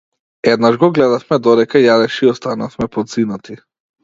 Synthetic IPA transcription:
ɛd̪naʒɡɔɡlɛd̪afmɛd̪ɔd̪ɛkajad̪ɛʃiɔst̪anafmɛpɔd̪zinat̪ʰi

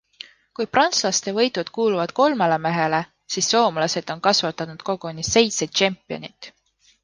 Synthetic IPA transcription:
kujprɑnt̪slɑst̪e̞vɤ̞jt̪ˑud̪̥kuːluvɑd̪̥ko̞lmelemeɦe̞le̞ | sisːo̞ːmlɑse̞d̪o̞nkɑsvɑt̪ːɑnud̪̥ko̞ɡ̥unise̞jt̪sed̪̥̚t͡ʃempːˑio̰nit̪

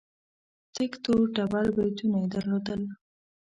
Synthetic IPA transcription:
t̪ɪkt̪oʈabalbajt̪unajd̪əɾlod̪əl

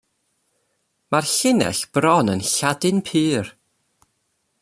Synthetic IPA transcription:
marɬɪnɛ̰ɬb̥rɔnənɬadɨnpʰɨːr

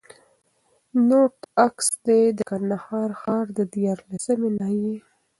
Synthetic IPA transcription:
noʈaksd̪ed̪əkand̪ahɑɾxɑɾd̪əd̪jɑɾlasəmenɑje

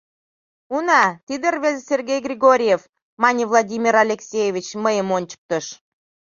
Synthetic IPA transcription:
unɑt̪id̪ərβezesʲerɡʲejɡrʲiɣoɾʲijef | mɑnʲivlˠɑdʲimʲiɾɑlʲeksʲejevʲit͡ɕməjəmonʲt͡ɕə̥k̚t̪əʃ

